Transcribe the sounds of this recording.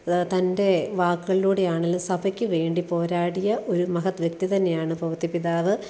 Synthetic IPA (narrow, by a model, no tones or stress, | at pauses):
t̪ɐnde̞ʋaːkːuɣɐɭiluːɽejaːɳelːɐmsɐbʰʱɐkʲːɨʋe̞ːɳɖipo̞ːɾaːɽijɐʔo̞ɾumɐɦɐt̪ʋjɐkt̪it̪ɐnːejaːɳɨpɐʋɐt̪ːipiðaːʋɨ